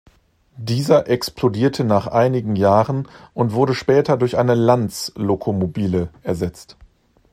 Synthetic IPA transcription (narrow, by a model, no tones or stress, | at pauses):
d̥iːzɐʔɛksplodiːɐtʰənaːχʔaɪnɪɡŋ̩jaːʁənʔʊntv̥ʊɐɾəʃpɛːtɐdʊɐçʔaɪnəlant͡slokʰomobiːləʔɛɐzɛt͡st